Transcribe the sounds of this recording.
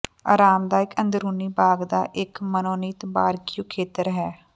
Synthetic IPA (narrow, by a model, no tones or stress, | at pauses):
a̰ːɾaːmd̪aːɪkənd̪ɾuːniːbaːɡd̪a̰ːʔɪkmənoːniːt̪baːɾkijuːkʰeːt̪əɾɦɛː